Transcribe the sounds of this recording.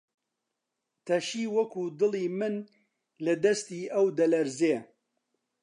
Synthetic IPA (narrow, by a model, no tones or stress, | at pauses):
t̪ʰɐʃiːwɐkuːd̪ɨliːmɨn | lɐd̪ɐst̪iːʔɐwd̪ɐlɐɾzeː